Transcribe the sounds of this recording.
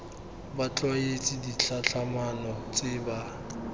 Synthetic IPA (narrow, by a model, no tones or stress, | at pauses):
bat͡ɬʼɔjet͡sʼɪdit͡ɬaɬʰamanɔt͡sʼɪba